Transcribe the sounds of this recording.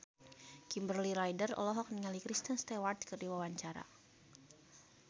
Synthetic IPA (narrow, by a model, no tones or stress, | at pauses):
kimbərliɾajdərɔ̰lɔɦɔk̚niŋalikɾist̪ənst̪ɛwart̪kɨrdiwawaɲt͡ʃaɾa̰